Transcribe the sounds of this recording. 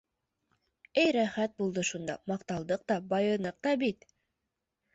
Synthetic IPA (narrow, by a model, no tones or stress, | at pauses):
æjɾæχæt̪̚bulˠd̪ɤʃund̪ɑ̰mɑqt̪ɑlˠd̪ɤq̚t̪ɑbɑjɤ̆nɤq̚t̪ɑbit̪